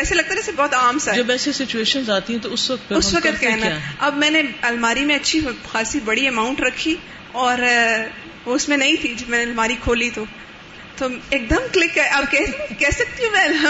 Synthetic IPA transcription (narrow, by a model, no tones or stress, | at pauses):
ɛːselɐɡ̚t̪ad͡ʒɛːsebɔːt̪aːmsad͡ʒɐbɛːsesɪt͡ʃueːʃənzaːt̪iɦɛ̃t̪oʊsʋɐk̚t̪ʊsʋɐkət̪kɛɦnaɐbmɛ̃ːneɐlmaːɾimẽɐtːʃʰixaːsibɐɽiɐmãːʊ̃ɳʈɾɐkʰːi | ɔːɾ | ʋoʊsmẽnɐĩt̪ʰid͡ʒɐbmɛːneɐlmaːɾikʰoːlit̪oː | t̪oːeːk̚d̪əmklɪkːɐeʔɐb̚kɛːkɛːsɐk̚t̪iɦũʋɛːl